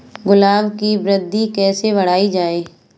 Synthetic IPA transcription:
ɡʊlaːʋkibɾɪd̪ʱːikɛːsebɐɽ̤aːid͡ʒaːeː

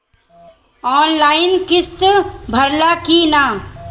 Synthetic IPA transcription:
ɔːnlaːɪnkɪst̪bʱəɾlakina

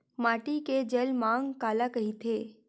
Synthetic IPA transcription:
maːʈiked͡ʒelmãŋkaːlakəɦit̪ʰe

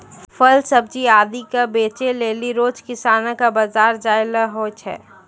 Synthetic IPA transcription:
fʰəlsəb̚d͡ʒiaːd̪ikabeːt͡ʃeleːliɾoːd͡ʒkɪsaːnakabazaːɾd͡ʒaːelaɦoːt͡ʃʰɛ̰ː

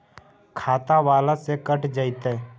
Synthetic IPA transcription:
kʰaːt̪aʋaːlasekəʈʰd͡ʒaɪt̪eː

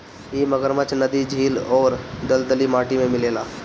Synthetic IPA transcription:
eːməɡəɾmət͡ʃnɐd̪id͡ʒʱiːlɔːɾd̪ɐld̪əlimaːʈimẽmɪleːlaː

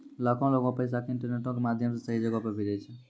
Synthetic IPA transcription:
lakʰɔ̃loɡɔ̃pəjs̬akɪ̃ɳʈəɾneʈɔ̃kemad̪ʱjəms̬esəɦid͡ʒəɡɔpəbʱiɾet͡ʃʰə

